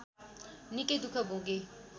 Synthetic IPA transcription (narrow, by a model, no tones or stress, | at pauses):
niked̪ukʰabʱõːɡe